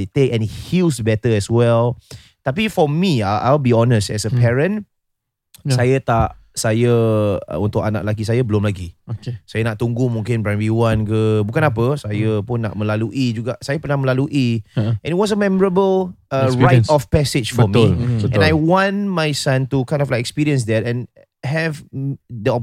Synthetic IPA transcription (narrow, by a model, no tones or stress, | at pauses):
det̪ekɛ̃nit̚hilsbɛt̪əɛswɛl | t̪ap̬ifɔmiaʔalbiɔnəstɛ̰səpʰɛɹə̃n | sajət̪aʔ | sajəə̰unt̪ʊk̚ana̰ʔlak̬isajəbəlʊmlaɡiokesajənaʔt̪uŋɡʊmũŋkɪnbɹanbiwankəbukanapəsajəpʊnːa̰ʔ̚məlaluʔid͡ʒuɡaʔsajəpənahmə̃laluʔiʔɛ̃nit̚wɔs̬əmɛməɹəbələɹajtɔfpɛsɪt͡ʃfɔəmiəɛ̃najwãnmajsãntukãj̃ndɔflajkɛkspiɹiə̃ns̬d̪ɛt̚ɛ̃n | ɦɛvdəɔ